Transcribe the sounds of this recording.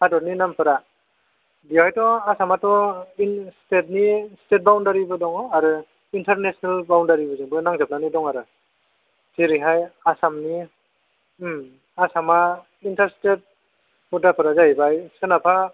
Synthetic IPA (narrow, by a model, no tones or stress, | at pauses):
hadɔɾninampɯɾa | biajtɔasamatɔistet̚nistet̚bawndaɾibɯdɔŋaɾɯ | intaɾnesnalbawndaɾibɯzɯŋbɯnaŋzap̚nanidɔŋaɾɯ | zeɾiɦajasamni | asama | intaɾstet̚ | budapʰɯɾazajbajsɯnapʰa